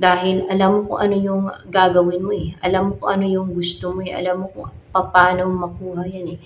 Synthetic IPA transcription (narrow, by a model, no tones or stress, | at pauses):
d̪aːɦɪlʔɐlamːokoʔɐno̞jʊŋɡaːɡɐwɪnmoɛʔɐlamːokoʔɐnojʊŋɡʊst̪omoɛʔɐ̰lamːoko̰pɐpaːno̞mɐkuːhɐjanɛ